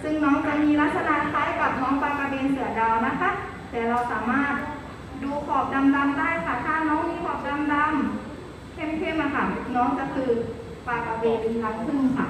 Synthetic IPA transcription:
sɯ˧˥˨ŋnɔː˦˥ŋt͡ɕa˧˩miː˧la˦˥t̪̚sa˧na˧˥ʔkʰa˧˥˨jka˨˩p̚nɔː˦˥ŋpaː˧˩ka˧beː˧nsɯ˨˩˦ɐda˧wna˦˥kʰa˦˥ | t̪ɛː˨˩ɾa˧wsaː˩˦maː˥˩t̪̚ | duː˧kʰɔː˨˩p̚na˧mda˧mdaː˥˨jkʰaː˧˩t̪ʰaː˧˥˨nɔː˧˥ŋmiː˧˥˨kʰɔː˨˩p̚da˧˨mda˧m | kʰe˥˩˨mkʰeː˥˨ma˧˩t̪ʰaː˨˩˦mti˨˧k̚nɔː˦˥ŋka˧˩kʰɯː˧ | paː˧˩j̚a˧beː˧dɯ˧nt̪ʰa˧ŋkʰɯ˧˥˩m˧kʰa˧˩

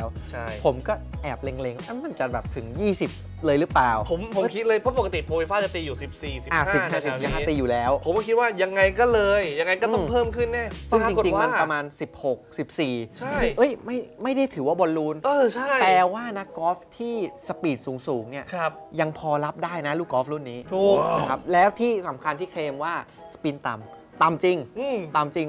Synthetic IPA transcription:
lɛː˦˥wt͡ɕʰa˥˩jpʰo˩˦mkɔː˥˩ʔɛː˨˩p̚le˧ŋle˧ŋʔa˧˩ma˧˩nt͡ɕa˨˩bɛː˨˩p̚t̪ʰɯ˩˦ŋjiː˥˩si˨˩p̚ | lɤː˧jlɯ˦˥plaː˨˩wpʰo˨˩˦mpʰo˨˦˧mkʰi˦˥t̪̚lɤː˧jpʰo˦˥po˨˩ka˧t̪i˨˩pʰoː˧wi˧faː˥˩t͡ɕa˧˩t̪iː˧juː˨˩si˨˩p̚siː˨˩si˨ʔa˨˩hasːi˨˩˥aː˧˥˩si˨˩sp̚ɦaː˥˨˩t̪iː˧juː˨˩lɛː˦˥wpʰo˨˦mkɔ˥˩kʰi˦t̪̚waː˥˩ja˧ŋːa˧jkɔː˥˩lɤː˧jːa˧ŋːa˧jkɔ˥˩ɔ˥pʰɤː˥˩mkʰɯ˥˩nːɛ˥˩saɯ˥˩ŋː˧t͡ɕi˧˨˩t͡ɕi˧wŋma˧n˥˩pɾa˧maː˧nsi˨˩p̚ho˨˩k̚si˨˩p̚siː˨˩t͡ɕʰa˥˩ʔɤ˦˥jma˥˩jma˥˩jda˥˩jt̪ʰɯː˩˦waː˥˩bo˧nluː˧nɤː˧˩t͡ɕʰa˥˩jt̪ɛː˨˩waː˥˩na˦˥kːɔː˦˥f̚t̪ʰiː˥˩sa˧piː˨˩t̪̚suː˩˦ŋsuː˩˦ŋni˥˩ɐkʰja˧ŋpʰɔː˧la˦˥p̚daː˥˩jna˦˥luː˥˩kɔː˦˥fluː˥˩nːiː˦˥t̪ʰuː˨˩na˧˩kʰa˦˥p̚lɛː˦˥wt̪ʰiː˥˩sa˩˦mkʰa˧nt̪ʰiː˥˩kʰleː˧mwaː˥˩sḁ˧piː˧nt̪a˨˩m | t̪a˨˩mt͡ɕi˧ŋɯ˧˩t̪a˧mt͡ɕi˧ŋ

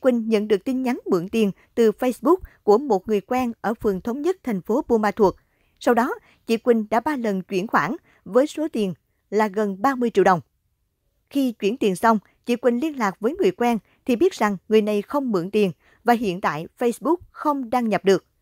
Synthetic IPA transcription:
kwï˨˩ŋ̟ɲə̰˧˨nɗɨ˨˩ək̚t̪i˧nɲa˨˦nmɨ̰˧˨əŋt̪i˨˩ən | t̪ɨ˨˩fə˧jsɓʊ˦˥k̚ku˧˩əmo˨˩t̚ŋɨ˨˩əjkwɛː˧nʔəː˧˩fɨ˨˩əŋt̪ʰə˨˦wŋ͡mɲə˦˥t̚t̪ʰɛ˨˩ŋ̟fo˨˦ɓu˧maː˧t̪ʰu˨˩ək̚ | sa˧wɗɔ˨˦ | t͡ɕḭ˧˨kwï˨˩ŋ̟ɗa̰ː˧˥ɓaː˧lə˨˩nt͡ɕwi˧˩ənxwa̰ː˧˩n | vəː˨˦jso˨˦t̪i˨˩ən | laː˨˩ɣə˨˩nɓaː˧mɨ˧əjt͡ɕḭ˧˨wɗə˨˩wŋ͡m | xi˧t͡ɕwi˧˩ənt̪i˨˩ənsa˧wŋ͡m | t͡ɕḭ˧˨kwï˨˩ŋ̟li˧ənlaː˨˩k̚vəː˨˦jŋɨ˨˩əjkwɛː˧n | t̪ʰi˨˩ɓi˦˥t̚z̥a˨˩ŋːɨ˨˩əjna˨˩jxə˧wŋ͡mmɨ̰˧˨əŋt̪i˨˩ən | vaː˨˩ɦḭ˧˨ənt̪a̰ː˧˨jfə˧jsɓʊ˦˥k̚xə˧wŋ͡mɗaː˧ŋɲə˨˩p̚ɗɨ˨˩ək̚

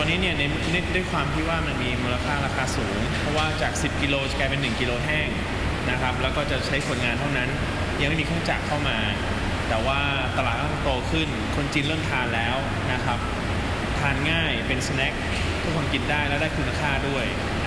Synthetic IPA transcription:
ɔ˧nːiː˦˥ni˥˩ɐna˧j | na˥˩du˥˩əjkʰwaː˧mt̪ʰi˦˥waː˥˩ma˧˩nmiː˧muː˧la˧kʰaː˥˩ɾaː˧kʰaː˧suː˩˦ŋpʰɾɔ˦˥waː˥˩t͡ɕaː˨˩k̚si˨˩p̚ki˧loː˧t͡ɕa˨˩klaː˧pe˧nːɯ˨˩ŋki˧loː˧ɦɛː˥˩ŋ | na˦˥kʰɾa˦˥p̚lɛː˦˥wkɔː˥˩t͡ɕa˨˩t͡ɕʰa˦˥jsu˨˩ənŋaː˧nt̪ʰa˥˩wna˦˥n | ja˧ŋma˥˩miː˧kʰːt͡ɕa˨˩kʰːa˥˩wmaː˧ | t̪ɛː˨˩waː˥˩ | t̪a˧laː˨˩t̪̚ʰːa˥˩t̪o˧kʰɯ˥˩n | kʰo˧nt͡ɕiː˧nlɤ˥˩əmt̪ʰaː˧nlɛː˦˥w | na˦˥kʰɾa˦˥p̚ | t̪ʰaː˧nŋaː˥˩jpe˧nsa˧nɛ˦˥k̚ | t͡ɕʰi˥˩kʰa˧˦ŋki˨˩t̪̚daː˥˩jlɛː˦˥wdaː˥˩jkʰu˧na˧˩kʰaː˥˩du˥˩əj

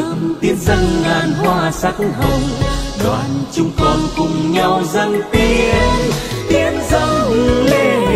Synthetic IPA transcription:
t̪i˨˦ənzə˧ŋːaː˨˩nɦwaː˧sa˦˥k̚ɦə˨˩wŋ͡mɗwa̰ː˨nt͡ɕʊ˧ŋ͡mkɔ˨˩nkʊ˨˩ŋ͡mɲa˧wzə˧jŋt̪i˧n | t̪i˧ənzə˧ŋ͡mʔɨ˧˩le˧

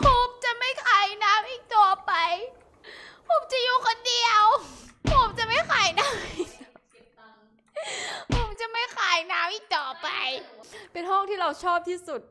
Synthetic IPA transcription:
pʰo˨˦mt͡ɕa˨˩ʔma˥˩jkʰaː˨˩˦jnaː˦˥mʔiː˨˩k̚t̪u˧ɐpa˧j | pʰo˨˩˦mt͡ɕa˨juː˧˦kʰo˧ndi˧əwpʰo˨˩˦mt͡ɕa˨˩ma˥˩jxaː˨˩˦jnaː˦˥mː˨˧ | pʰo˨˦mt͡ɕa˨˩ma˥˩jxaː˨˩˦jnaː˦˥mʔiː˨˩k̚t̪ɔː˨˩pa˧jpe˧nɦɔ˥˩ŋt̪ʰiː˥˩ɾa˧wt͡ɕʰɔː˥˩p̚t̪ʰiː˥˩su˨˩t̪̚

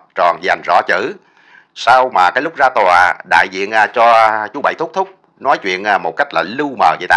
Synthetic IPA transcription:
t͡ɕɔ˨˩nza˨˩jŋ̟zɔ̰˧˥t͡ɕɨ̰˧˩˥ | sa˧wmaː˨˩kaː˨˦jlʊ˦˥k͡p̚zaː˧t̪waː˨˩ɗa̰ː˧˨jzḭ˧˨ənʔaː˧˩t͡ɕɔ˧t͡ɕu˨˦ɓə̰˧˨jt̪ʊ˦˥k͡p̚t̪ʰʊ˦˥k͡p̚ | nɔ˨˦jt͡ɕwḭ˧˨ənʔa˧mo˨˩t̚ka˦˥jk̟̚laː˨˩lɨ˧wməː˨˩zḭ˧˨˦t̪aː˧

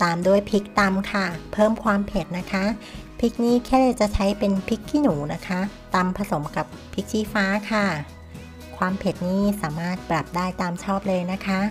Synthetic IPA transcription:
t̪aː˨mdu˥˩əjpʰi˦˥k̚t̪a˧mkʰa˥˩pʰɤː˥˩mkʰwaː˧mpʰe˨˩t̪̚na˦˥kʰa˦˥pʰi˦˥k̚niː˥˩kʰɛː˥˩leː˧˩t͡ɕa˨˩ʔt͡ɕʰa˦˥jpe˧npʰi˦˥kʰːiː˧˥˩nuː˩˦na˦˥kʰa˦˥t̪a˧mpʰa˧so˩˦mka˨˩pʰːi˦˥k̚t͡ɕʰiː˦˥˩faː˦˥kʰa˥˩ | kʰwaː˧mpʰe˨˩t̪̚niː˥˩saː˩˦maː˥˩t̪̚pɾa˨˩p̚daː˥˩jt̪aː˧mt͡ɕʰɔː˥˩p̚lɤː˧jna˦˥kʰa˦˥

